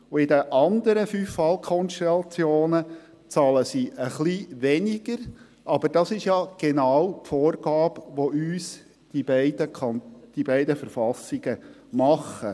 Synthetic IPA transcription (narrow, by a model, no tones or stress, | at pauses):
uɪd̪əʔɑnd̪əɾəfyfːɑlkʰɔnʃtɛlɑt͡sjoːnə | t͡sɑːləsiʔəχliʋɛnɪɡ̥əɾ | ʔɑb̥əɾd̥ɑsɪʃjɑɡ̥enɑːwpfoːrɡ̥ɑːb̥ʋoyːs | d̥ibɛɪd̪ənd̪̥ibɛɪdəfəɾfɑsːɪɡ̥ə | mɑχə